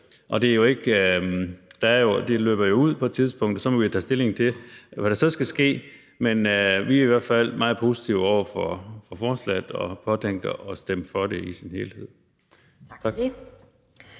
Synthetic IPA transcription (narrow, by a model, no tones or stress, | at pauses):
ʔɒ̽d̥e̝ɐjo̝e̝ɡ̥ | d̥ɑæɐjo̝d̥e̝lø̰ːb̥ɐjo̝uð̞̰ˠpʰɒ̽ed̥̚t͡sʰið̞ˠsb̥ɔ̽ŋ̰d̥̩sɒ̽mɒʋit͡sʰɛ̰ːsd̥e̝le̝ŋt͡sʰe̝ʋæɾ̥æsɒ̽sɡ̥æsɡ̥e̝̰ː | menʋiæɐiʋæɐ̰d̥fæl̰mʔɑ̈ːð̞̩ˠpʰo̝ːsi̥t͡sʰiʊɒʊ̰ɐfɒfɒ̽fɒːslæd̥ɒ̽pʰɒ̽t͡sʰeŋ̰ɡ̥ɐʔɒ̽sd̥eməfɒ̽ɾeisinhe̝ːlhe̝ð̰ˠ | t͡sʰɑ̥